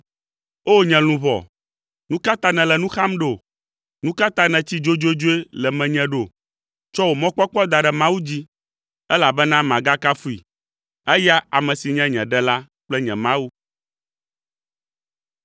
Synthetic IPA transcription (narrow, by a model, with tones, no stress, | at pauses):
o˦ɲɛ̃˨lũ˨βɔ̰˨ | nũ˦ka˦t̪a˦nɛ̃˨lɛ˨nũ˦xa˦mɖo˨ | nũ˦ka˦t̪a˦nɛ̃˨t͡ɕi˦d͡ʒo˦d͡ʒo˦d͡ʒo˦e˦lɛ˨mɛ̃˨ɲɛ̃˨ɖo˨ | t͡ʃɔ˦wo˨mɔ̃˦k͡pɔ˦k͡pɔ˦d̪a˨ɖɛ˨mã˦wu˦d͡ʑi˦ | ɛ˦la˨bɛ˦nã˦mã˨ɡa˦ka˦fu˦ḭ˨ | ɛ˦ja˦a˨mɛ̃˨si˨ɲɛ̃˦ɲɛ̃˨ɖɛ˦la˦ | k͡plɛ˦ɲɛ̃˨mã˦wu˦